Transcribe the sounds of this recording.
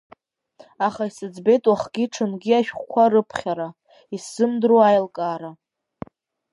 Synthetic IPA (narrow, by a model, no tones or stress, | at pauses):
aχaisɨd͡zbe̞jtʼwaχɡʲiʈ͡ʂʰɨnɡʲiaʃᶣχʷkʷʰaɾɨpʰχʲaɾa | isɨmdroajlkʼaːɾa